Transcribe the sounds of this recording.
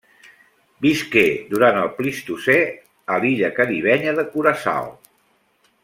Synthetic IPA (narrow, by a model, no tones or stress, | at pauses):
bisked̪uɾant̪əlˠplist̪usɛ | əliʎəkəɾiβ̞ɛɲəðəkuɾəsa̰lˠ